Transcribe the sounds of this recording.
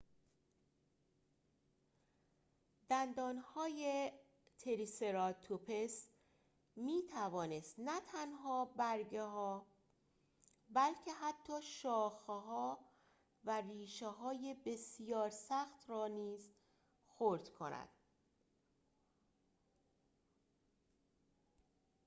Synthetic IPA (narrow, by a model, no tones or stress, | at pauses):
d̪̥ænd̪ɒːnhɒːje | t̪ʰeɾiseɾɒt̪ʰupʰes | miːt̪ʰævɒːne̞st̪næt̪ʰænɦɒːbæɾɟeɦɒː | bælcʰe̞ɦæt̪ʰːɒːʃɒːxɦɒː | væriːʃeɦɒːje̞be̞sijɒːɾsæxt̪ɾɒːniːz | xoɾd̪̥kʰo̞næ̰d̪̥